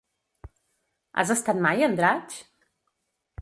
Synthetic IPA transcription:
a̰zəst̪at̪̚majənd̪ɾat͡ʃ

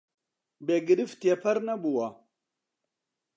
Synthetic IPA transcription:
beɡəɗiftiapʰaɾnabuwa

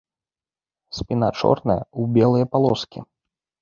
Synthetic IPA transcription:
sʲpʲina̰t͡ʂɔ̰rnɐjɐ̰ubʲɛlˠɨjɐpalˠɔskʲḭ

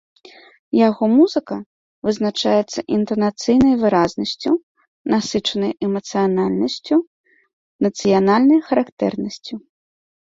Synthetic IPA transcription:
jaɣɔmuzɨkɐ | vɨznat͡ʂajɛt̪sːɐʔint̪ɐnat̪sɨjnɐjvɨɾaznɐsʲt͡sʲu | nasɨt͡ʂɐnɐjɛmɐt̪sɨjanalʲnɐsʲt͡sʲu | nɐt̪sɨjanalʲnɐjxɐɾakt̪ɛ̰rnɐsʲt͡sʲu

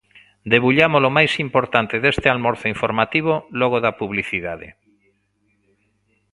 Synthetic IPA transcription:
d̪eβuʎamolomajsimpoɾt̪ant̪eðest̪ɪalmoɾθoiɱfoɾmat̪iβolɔɣoðapuβliθiðaðḛ

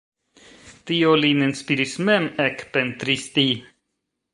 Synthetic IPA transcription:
t̪iolinənspiɾismɛmɛkpɛnt̪ɾist̪iː

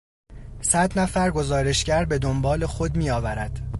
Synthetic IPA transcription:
sæd̪næfæɾɡo̞zɒːɾe̞ʃcæɾbe̞d̪ombɒːle̞xo̞d̪miːjɒːvæɾæd̪̥

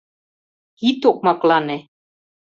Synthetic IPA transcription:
it̪ok̚mɑklɑne

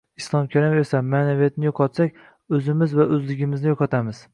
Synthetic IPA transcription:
ɪslˠɒmkʲʰaɾɪmesamːaːnavijat̪nɪjoqʰɑt̪sakʲ | ɵzɪmɪzvaʔɵzlɪɡʲɪmɪznɪjoqʰɑt̪ʰamɪz̥

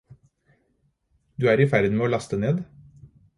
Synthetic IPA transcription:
d̪ʉːæːɾiːfæɾd̪n̩meːoːlɑst̪əneːd̪

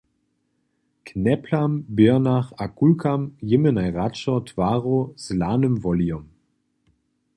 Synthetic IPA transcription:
knɛpʰlambɪɐnaχakulkamjɪmənajʁat͡ʃɔtʰv̥aːʁɔz̥laːnəmvɔliɔm

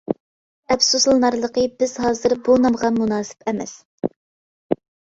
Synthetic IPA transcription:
ɛfsuslˠɨnɑɾlˠəqəbɪz̥ɦɑːzɨɾbunɑmʁɑmunɑːsɪ̥pɛmɛ̰s

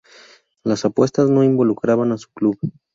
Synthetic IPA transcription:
lasapwe̞st̪azno̞imbo̞lukɾaβanasu̥kluβ

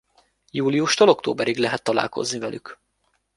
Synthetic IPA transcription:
juːliuʃt̪olo̞kt̪o̰ːbɛɾiɡlɛɦɛt̪ːɒla̰ːlko̰znivɛlʔy̰k

